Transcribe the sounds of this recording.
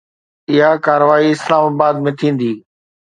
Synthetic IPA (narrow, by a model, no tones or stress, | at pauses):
ɪɦakaːɾəʋaːiɪslaːmaːbaːd̪̚mẽt̪ʰĩːn̆d̪iː